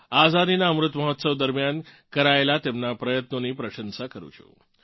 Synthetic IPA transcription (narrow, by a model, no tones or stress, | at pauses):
azad̪inaəmɾut̪məɦət̪səʋd̪əɾmjan | kəɾaelat̪emnapɾəjət̪noniːpɾəɕənsakəɾṵt͡ʃʰo̰